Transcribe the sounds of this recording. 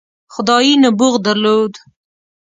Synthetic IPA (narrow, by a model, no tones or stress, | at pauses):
xʊd̪ɑjinabʊɣd̪aɾlod̪